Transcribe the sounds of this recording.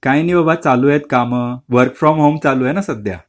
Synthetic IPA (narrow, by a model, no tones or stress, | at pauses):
kãjniʋəbat͡salujɛt̪kaməʋəɾkfɾɔmɦomt͡salujɛnasəd̪ja̰